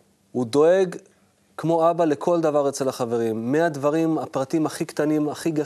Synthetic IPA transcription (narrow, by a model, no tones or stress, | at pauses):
hud̪o̞e̞ɡ | kmo̞abale̞kʰo̞ld̪avaʁet͡se̞laχave̞ʁimːead̪vaʁimapʁat̪imaχikt̪animaχiɡa